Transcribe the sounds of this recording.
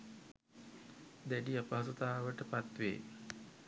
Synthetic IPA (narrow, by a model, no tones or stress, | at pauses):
d̪æɖiapəɦasut̪aːʋəʈəpat̪ʋḛː